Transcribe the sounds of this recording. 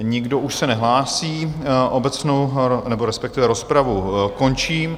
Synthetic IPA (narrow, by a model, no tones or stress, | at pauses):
ɲɪɡdoʔuʃsɛnɛɦlaːsiːʔobɛt͡snownɛboɾɛspɛkt̪ɪvɛɾo̞spɾavuko̞nt͡ʃiːm